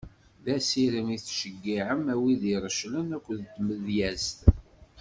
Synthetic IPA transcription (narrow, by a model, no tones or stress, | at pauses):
ðæsiɾəmiθʃəɡːiʕəmæwiðiɾˤəʃlənækʷːəðt̪ːməðjæzt̪